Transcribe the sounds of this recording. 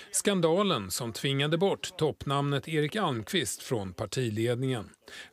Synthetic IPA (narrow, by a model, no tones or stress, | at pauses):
skand̪ɑːlənsɔmt̪ʰvɪŋːad̪əbɔʈːt̪ʰːɔpːnamnət̪ʰeːɾɪkalmkʰvɪst̪fɾɔnpʰaʈʰiːleːd̪nɪŋən